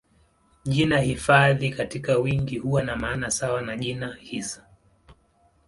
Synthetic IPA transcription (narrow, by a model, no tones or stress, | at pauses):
ʄinahifaðikatikawiŋɡihuwanamaːnasawanaʄinahisḁ